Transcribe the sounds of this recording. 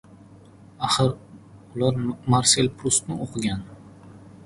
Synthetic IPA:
aχɨɾʊlaɾmaɾse̞lpʰɾʊst̪nɪʔoqʰɨɡʲan

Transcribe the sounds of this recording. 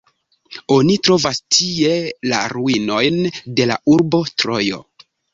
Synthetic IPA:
o̞nitɾo̞vastʰie̞la̰ɾuino̞jnde̞la̰uɾbo̞tɾo̞jo̞̰

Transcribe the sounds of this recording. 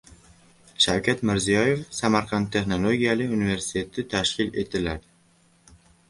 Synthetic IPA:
ʃawkʲat̪mɪɾzijɒje̞fsamaɾqʰɑnt̪ʰːe̞χno̞lˠoɡʲijalɪunive̞ɾsɪ̥t̪ʰe̞t̪ʰɪt̪ʰaʃkʲɪle̞t̪ʰɪlad̪

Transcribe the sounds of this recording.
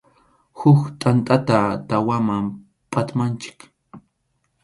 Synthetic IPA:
hʊkt̪ʼant̪ʼat̪at̪awamam | pʼat̪mant͡ʃɪ̥k

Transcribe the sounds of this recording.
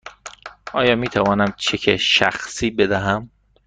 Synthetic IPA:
ʔɒːjɒːmiːt̪ʰævɒːnæmt͡ʃʰecʰeʃæ̰xsiːbed̪æɦæm

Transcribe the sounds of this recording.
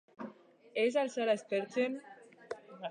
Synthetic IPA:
es̬alsaɾaest̪eɾt͡sen

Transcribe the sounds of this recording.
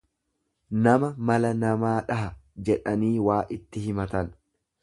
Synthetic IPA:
nɐmɐmɐlɐnɐmaːᶑɐɦɐd͡ʒɛᶑɐniːwaːʔɪt̪ːɪhɪmɐt̪ɐn

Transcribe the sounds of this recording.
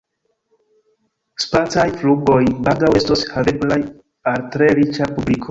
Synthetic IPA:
spat͡sajfluɡo̞jbaɡawestoshaleblaj | altɾeɾit͡ʃapublikʰo

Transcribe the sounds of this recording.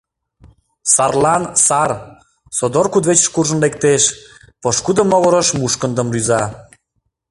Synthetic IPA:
sɑrlɑnsɑr | sod̪orkud̪βet͡ɕə̥̆ʃkurʒənlek̚t̪eʃ | pɤʃkud̪əmːoβəɾə̆ʃmuʃkə̆nd̪ə̆mryzɑ

